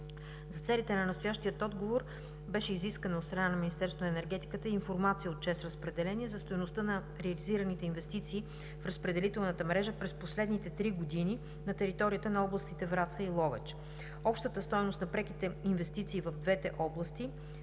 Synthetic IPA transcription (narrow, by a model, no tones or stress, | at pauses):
zɐt̪sɛlit̪ɛnɐnɐst̪ojaʃt̪iət̪ɔd̪ɡovoɾ | bɛʃɛiziskənot̪st̪ɾɐnanɐmʲinist̪ɛɾsvonɛnɛɾɡɛt̪i̥kət̪əiːnfoɾmat̪sijəot̪̚t͡ʃɛsɾəspɾɛd̪ɛlɛniɛzɐst̪ojnost̪ənɐ | ɾɛɐliziɾənit̪ɛinvɛst̪it̪siː | fɾəspɾɛd̪ɛlit̪ɛlˠnət̪əmɾɛʒəpɾɛsposlɛd̪nit̪ɛt̪ɾiɡod̪ini | nɐt̪ɛɾit̪ɔɾiət̪ənɐɔblˠəst̪it̪ɛvɾat̪səilˠɔvɛ̰t͡ʃ | ɔpʃt̪ət̪əst̪ɔjnost̪nɐpɾɛkit̪ɛinvɛst̪it̪siːvəvd̪vɛt̪ɛʔɔblˠəst̪i